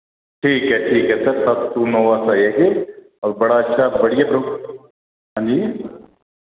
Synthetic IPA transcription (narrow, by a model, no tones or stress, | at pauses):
ʈʰiːkɦɛʈʰiːkɦɛsɐɾsɐt̪t̪unoːʋasajeɡe | ɔːɾbɐɽaɐtːʃʰabɐɽijabɾok | ɦãːnd͡ʒiː